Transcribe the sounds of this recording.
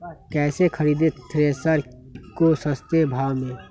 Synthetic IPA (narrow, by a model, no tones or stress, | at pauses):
kɛːsekʰəɾiːd̪et̪ɾeːsəɾ | kosəst̪ebʱaːwmẽː